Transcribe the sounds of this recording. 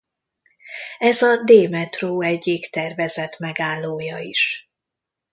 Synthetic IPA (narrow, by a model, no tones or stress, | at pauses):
ɛzɒd̪eːmɛt̪roːɛɟːikt̪ɛrvɛzɛt̪mɛɡaːlːoːjɒiʃ